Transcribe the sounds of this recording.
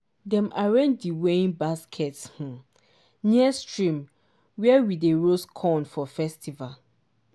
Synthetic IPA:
dɛ̃maɹɛ̃ndiwẽnbaskʰɛtsh̩ | niɛstɹĩm | wɛawideɹoskʰɔ̃nfɔfɛstʰival

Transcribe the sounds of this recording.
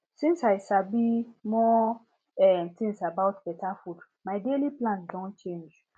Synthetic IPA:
sĩnsaɪsabimɔ | ɛnt̪ʰĩŋsabawtbɛtʰafud | maɪdeliplãndɔ̃nt͡ʃʰẽnd͡ʒ

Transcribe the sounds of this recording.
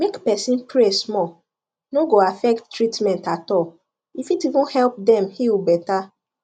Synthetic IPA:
mekpɛsĩnpɾesmɔl | noɡoafɛk̚ttːɹitmɛ̃ntatɔl | ifitivũnhɛlp̚dɛ̃mhilbɛta

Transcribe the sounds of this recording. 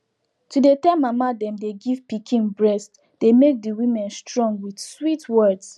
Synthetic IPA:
tudetɛmamadɛ̃mdeɡivpikʰĩnbɹɛst | d̥emek̚diwĩmɛ̃nstɹɔ̃ŋɡwidswitwɛds

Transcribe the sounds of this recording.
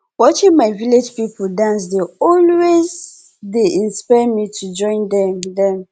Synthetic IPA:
wɔt͡ʃĩŋmaɪviled͡ʒpipʰoldãns̬deɔlwez | deʔĩnspaɪmitʰud͡ʒɔ̃ɪ̃ndɛmdɛ̃m

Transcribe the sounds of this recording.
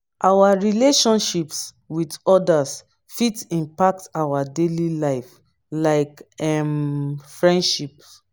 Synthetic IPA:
ʔawaɹileʃɔ̃nʃips | widɔdas | fitĩmpak̚tawadelilaɪf | laɪkɛmfɹɛ̃ndʃips

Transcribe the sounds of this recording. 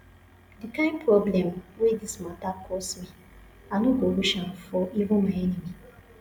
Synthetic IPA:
dikãɪ̃npʰɾɔblɛ̃mwedismatakʰɔsmi | anɔɡoɾuʃãfɔʔivʊ̃nmaɛnimi

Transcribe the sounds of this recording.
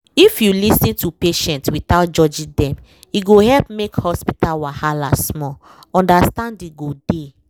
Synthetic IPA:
ifjulisĩntupeʃɛ̃ntwitaʊt̚d͡ʒɔd͡ʒĩdɛ̃m | iɡohɛlpmekhɔspitalwahalasmɔ | ɔ̃ndastãndiɡode

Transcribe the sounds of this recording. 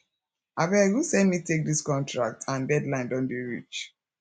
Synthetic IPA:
abɛɡusɛ̃ndmitek̚diskɔ̃ntʰɹa̰k̚tʰãndɛdlãɪ̃ndɔ̃ndeɹḭt͡ʃ

